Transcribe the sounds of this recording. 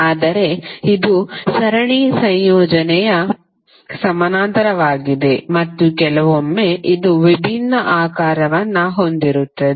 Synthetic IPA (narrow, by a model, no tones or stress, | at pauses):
aːd̪ɐɾe̞id̪usɐɾɐɳisɐjjɔːd͡ʒɐnɛjɐ | sɐmɐnaːnt̪ɐɾɐʋaːɡid̪e̞mɐt̪ːukɛlɐʋomːeʔid̪uʋibʱinːɐʔaːkaːɾɐʋɐnːɐɦo̞nd̪iɾut̪ːɐd̪e